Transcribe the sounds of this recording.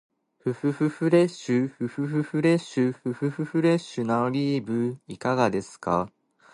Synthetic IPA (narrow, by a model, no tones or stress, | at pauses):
ɸɯ̟ɸɯ̟ɸɯɸɯ̟ɾe̞ɕɨɸɯ̟ɸɯ̟ɸɯɸɯ̟ɾe̞ɕɨɸɯɸɯ̟ɸɯ̟ɸɯ̟ɾe̞ɕɨnaoɾʲiːbɯ̟ikaɡad̪e̞sɨ̥ka̰